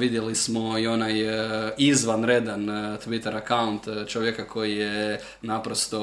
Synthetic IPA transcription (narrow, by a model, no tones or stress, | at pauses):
ʋid̪jelismo̞io̞najizʋanɾed̪ant̪ʋit̪eɾakaunt̪t͡ʃoʋjekakʰo̞jije | napɾost̪o̞